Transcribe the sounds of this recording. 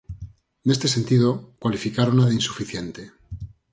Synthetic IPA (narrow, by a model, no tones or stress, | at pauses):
ne̞st̪e̞se̞nt̪iðokwalifikaɾonaðainsu̥fiθje̞nt̪e̞